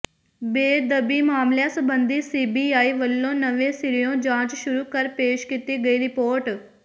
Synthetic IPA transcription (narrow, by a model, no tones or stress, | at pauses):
beːd̪əbimaːmljãsɐ̃bə̃nd̪ʱisiːbiaːiʋɐlːõnɐʋẽsɪɾijõd͡ʒãːt͡ʃʃʊɾukɐɾpeːʃkɪt̪iɡɐiɾɪpoːɾʈ